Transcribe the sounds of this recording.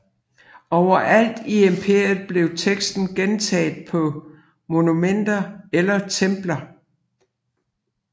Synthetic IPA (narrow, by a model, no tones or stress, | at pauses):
ɒʊ̰ɐʔæl̰d̥iempʰe̝ɐjð̩ˠb̥le̝ʊt͡sʰeɡ̥sd̥n̩ɡ̥ent͡sʰɛ̰ːð̩ˠpʰɒ̽ | mo̝numen̰d̥ɐelɐt͡sʰemb̥lɐ